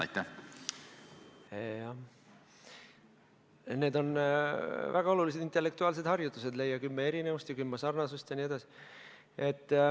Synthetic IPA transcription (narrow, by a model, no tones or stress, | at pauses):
ɑ̰jt̪ːæ | ɑ | ne̞ːd̪o̞n | væɡ̥ɑo̞lulis̬e̞d̪int̪elːe̞k̚t̪uɑːls̬e̞d̪̥hɑrjut̪ːˑuse̞d̪̥le̞jːɑkymːeeɾine̞vust̪jɑkymːɑsɑrnɑsust̪jɑnie̞d̪̥ɑsi̥ | ʔe̞t̪ː